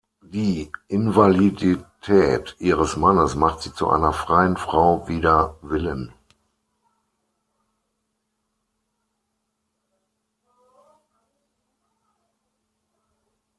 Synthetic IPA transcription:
d̥iːʔɪnvaliditʰɛːtʔiːʁ̞əsmanəsmaχtz̥iːt͡sṵʔa̰ɪnɐfʁ̥aɪənfʁ̥aʊviːdɐvɪlən

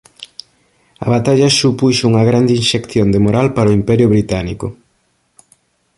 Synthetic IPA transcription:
ɐ̰βat̪aʎɐsupuʃuŋɐɣɾand̪inʃekθjond̪emoɾalpaɾoimpɛɾjʊβɾit̪anikʊ

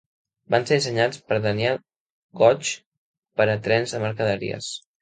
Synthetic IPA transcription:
banseðisəɲat͡spəɾðəniɛlˠ | ɡɔt͡ʃ | pəɾət̪ɾɛnzðəməɾkəðəɾḭə̰s

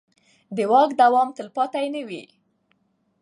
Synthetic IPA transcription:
d̪əwɑkd̪awɑmt̪əlpɑt̪ajnəwḭ

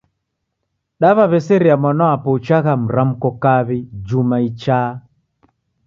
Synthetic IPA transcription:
ɗaβaβɛsɛɾiamwanawapɔut͡ʃaɣam̩ɾam̩kɔkaβid͡ʒumait͡ʃa

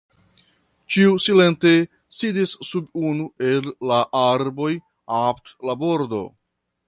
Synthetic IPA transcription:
t͡ʃiusile̞nte̞ | sidisːubunue̞lːaʔaɾbo̞j | aptlabo̞ɾdo̞̰

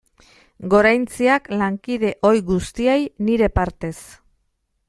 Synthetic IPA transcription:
ɡo̞ɾajnt͡siaklaŋkið̞e̞ʔo̞jɣust̪iejniɾe̞paɾt̪e̞s

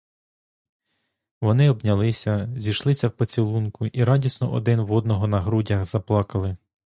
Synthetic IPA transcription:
ʋɔnɪɔbnʲɐlˠɪsʲɐzʲijʃlˠɪsʲɐwpɔt͡sʲilˠunkʊʔiɾɑdʲisnɔ̰ʔɔ̰d̪ɪnwɔd̪̚nɔɦɔnɐɦɾudʲɐxzɐplˠɑkɐlˠɪ

